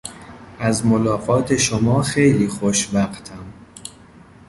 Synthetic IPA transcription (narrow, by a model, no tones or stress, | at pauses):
ʔæzmolɒːɣɒːt̪ʰe̞ʃomɒːxe̞jliːxoʃbæxt̪ʰæm